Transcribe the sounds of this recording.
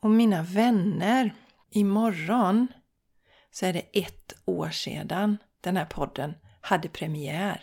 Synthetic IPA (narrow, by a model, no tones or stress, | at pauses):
ɔmːiːnavɛnːəɾ | ɪmɔɾːɔn | sɔæːɖɛʔɛt̪ːo̰ːʂḛːd̪an | d̪̥ɛnhæːɾpʰɔd̪ːənhad̪ːəpʰɾɛmɪæːɾ